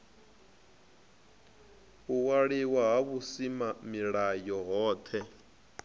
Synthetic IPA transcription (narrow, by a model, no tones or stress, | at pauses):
uwaɺiwaɦaβusimamiɺajɔɦɔːt̪ʰɛ